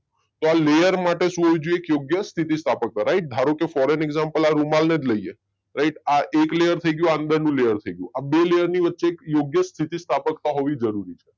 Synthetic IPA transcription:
t̪oalejəɾmaʈeʃũɦoʋĩd͡ʒuekjoɡjəst̪ʰit̪ist̪ʰapək̚t̪aɾaiʈ̚d̪ʱaɾokefɔɾeneɡzampəlaɾumalned͡ʒləie | ɾaiʈaʔeklejəɾt̪ʰəiɡəjũaənd̪əɾnũlejəɾt̪ʰəiɡəjṵ̃abelejəɾniʋətːʃeːkjoɡjəst̪ʰit̪ist̪ʰapəkt̪aɦoʋid͡ʒəɾuɾit͡ʃʰe̥

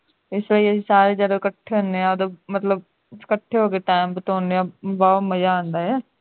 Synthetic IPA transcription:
ɪsləiːəsĩːsaːɾeːd͡ʒəd̪okəʈʰːeːɦõnd̪eãːd̪obmət̪ləb | kəʈʰːeːɦoːkeːʈaːmbət̪ɔːnd̪eãːbɔːt̪məjaːãːnd̪aːɦɛː

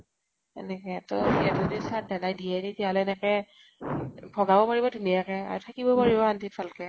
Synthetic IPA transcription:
ɛ̰nɛkɛtɔiatɔdisat̚dadajdiɛditialɛɛnɛkɛ | bʰʱɔɡabɔmaɹibɔdʱunijakɛa̰ɹɔtʰakibɔpɔɹibɔantifʰalkɛ

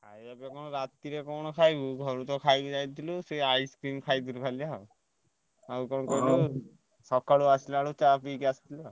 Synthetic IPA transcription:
kʰajabɔkɔñɔɾat̪iɾekɔñɔkʰajbuɡʱɔɾut̪ɔkʰajbid͡ʒajt̪ʰilɔseajskɾimkʰajt̪ʰilukʰalia | aukɔɽ̃ɔkɔjlu | sɔkaɽuasilɔaɽut͡ʃapikiasi̥t̪ʰilɔ

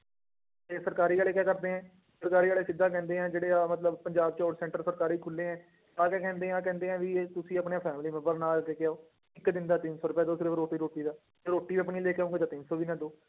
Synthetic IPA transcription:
t̪eːsəɾkaːɾiːaːleːkɛːkəɾd̪eːɦɛ̃ː | səɾkaːɾiːaːleːsɪd̪ːaːkɛ̃ːnd̪eːɛ̃ːd͡ʒeːɽeːaːmət̪ləbpəɲd͡ʒaːb̚t͡ʃɔːʈsɛ̃ːɳʈəɾsəɾkaːɾiːkʰʊlːẽːɛ̃ː | t̪ãːkɛːkɛ̃ːnd̪eːãːkɛ̃ːnd̪eːɛ̃ːʋit̪ʊsĩːapɳeaːpʰɛːmliːmɛ̃mbəɾnaːlkeːkjaːoː | ɪkd̪ɪnd̪aːt̪ɪnsɔːɾʊpɛːd̪oːsɾeʋɾoːʈiːɾoːʈiːd̪aː | eɾoːʈːiːʋiːəp̬niːleːkeõːŋɡeːt̪̬aːt̪ɪnsoːʋiːnãːd̪oː

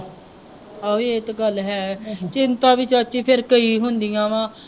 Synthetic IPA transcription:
əeːɪt̪ɡəlɦɛːt͡ʃɪnt̪ãːʋɪt͡ʃət͡ʃiːpʰɪɾkəiːɦʊnd̪ijãːʋãː

